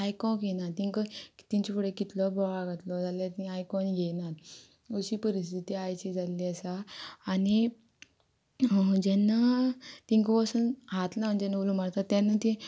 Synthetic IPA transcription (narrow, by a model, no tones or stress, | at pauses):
ajkɔ̃ɡenat̪iŋkət̪iɲt͡ɕipuɽekit̪lɔbɔɭaɡʱat̪lɔd͡zalat̪ĩajkɔnɡenat̪ | oɕipəɾist̪ʰit̪iajt͡ɕid͡zaliəsaːni | d͡ʑɛnat̪iŋkʋɔsənɦat̪laməɳd͡ʑɛnːaolumaɽt̪at̪ːjanat̪i